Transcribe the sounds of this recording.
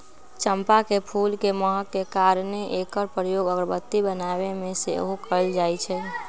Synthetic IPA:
t͡ʃəmpakepʰulkeməɦəkːekaɾneʔekəɾpɾəjoɡəɡɾəbət̪ːibənabemẽseoɦokəld͡ʒajt͡ʃʰɛ

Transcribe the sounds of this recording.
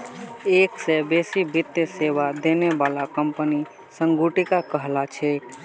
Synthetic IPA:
eksebesibit̪jəsebad̪enebalakəmpəni | səŋɡuʈikakəɦlat͡ʃʰɛ

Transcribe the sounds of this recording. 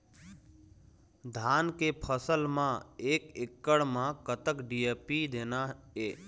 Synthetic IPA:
d̪ʱaːnkepʰəsəlmãeːkekːəɽmãkət̪əkɖijepid̪eːnaeː

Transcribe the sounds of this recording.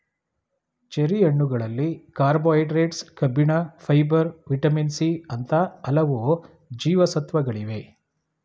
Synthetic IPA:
t͡ʃeɾijɐɳːuɡɐɭɐlːikaːɾboːjʈɾeːʈskɐbiɳɐfʰɐjbɐɾʋiʈɐminsiɐnt̪ɐɐlɐʋu | d͡ʒiːʋɐsɐt̪ʋɐɡɐɭiʋe̞

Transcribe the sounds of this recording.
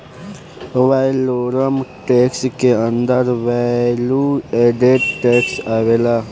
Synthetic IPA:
ʋaːjloːɾəmʈeːkskeə̃nd̪əɾʋalueɖeʈʈeːksaːʋeːlaː

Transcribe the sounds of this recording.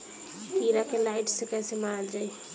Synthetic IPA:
piɾakelaɪʈsekɛjsemaɾəld͡ʒaj

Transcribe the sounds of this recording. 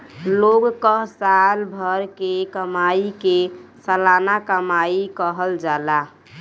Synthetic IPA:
loɡkəɦsalbʱəɾkekəmaikesəlanakəmaikəɦəld͡ʒala

